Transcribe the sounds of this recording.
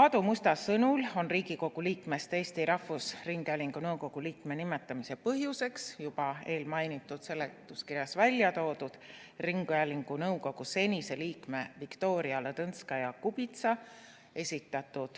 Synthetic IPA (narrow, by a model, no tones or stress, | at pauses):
ɑd̪umust̪ɑsɤnulo̞nriːɡiko̞ɡ̥uliːkme̞st̪e̞ːst̪iɾʔɑhfːusriŋɡ̥æliŋɡ̥unɤwko̞ɡ̥uliːkme̞nime̞t̪ːˑɑmise̞pɤɦjuse̞ksjub̥ɑe̞ːlmɑjnit̪ːˑud̪̥se̞lːet̪ːˑuskirjɑsvælʲːjɑt̪o̞ːd̪̥ud̪̥ | riŋɡ̥uælʲiŋɡ̥unɤuwko̞ɡ̥use̞nʲise̞liːkme̞vikt̪o̞ːɾiɑlet̪ɤnskɑjɑkubit̪sɑ | e̞sʲit̪ːˑɑt̪ːˑud̪̥